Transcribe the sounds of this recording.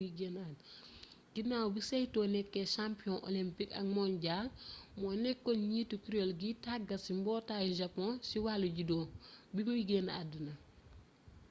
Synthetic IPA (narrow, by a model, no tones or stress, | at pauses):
iɡenad | ɡinawbisɐjtɔːnɛkːɛʃampiɔ̃nʔo̰limpikɐ̰ɡ̚mɔnɟaːmɔnɛkːɔnɲiːtːukuɾolɡitaɡɐsimbɔːtaːjʒɐpːɔ̃nsiwalːuɟidɔːbibuwiɡenadinɐ